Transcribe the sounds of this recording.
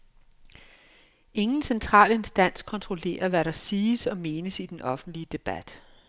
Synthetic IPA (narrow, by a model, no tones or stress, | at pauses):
e̝ŋn̩sent͡sʰʁɑ̰̈ːle̝nsd̥æn̰skʰɒ̽nt͡sʰʁo̝le̝̰ːɐʋæɾɑ̈siːsɒ̽me̝ːnəsid̥enʔɒ̽fn̩d̥liəd̥e̝b̥æd̥